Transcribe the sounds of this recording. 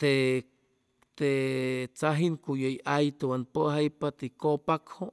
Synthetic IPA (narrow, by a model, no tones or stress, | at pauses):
t̪e | t̪et͡saɦinkujoiʔajt̪ewanpəɦaipat̪iikopakhoʔ